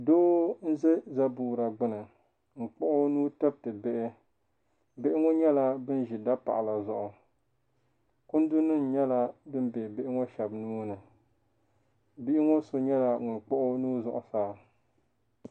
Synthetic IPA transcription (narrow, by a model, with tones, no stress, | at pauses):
doː˦n̩˦ze˦za˦buː˨ɾa˨ɡ͡bɨ˦nɨ˨ | ŋ͡m̩˨k͡pɔ˦ʔʊ˦nuː˦tɛ˦b̚tɨ˨bɪ˦ʔɪ˦ | bɪ˦ʔɪ˦ŋo˦ɲɛ˦la˦bɨ˦n˦ʒi˨da˦pa̰˨ʔa˨la˨zʊ˨ʔʊ˨ | kʊ˦n˦dʊ˦nɨ˦n̩˨ɲɛ˦la˨bɨ˦m˦be˨bɪ˦ʔɪ˦ŋo˦ʃɛ˨bnuː˦nɨ˨ | bi˦ʔɪ˦ŋo˦so˨ɲɛ˦la˨ŋʊ˨nk͡pɔ˦ʔʊ˦nuː˦zʊ˨ʔʊ˨saː˦